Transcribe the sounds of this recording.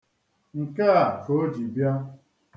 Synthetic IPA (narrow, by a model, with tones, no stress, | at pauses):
ŋ̩˨ka˦a˨ko˦d͡ʒi˨bja˦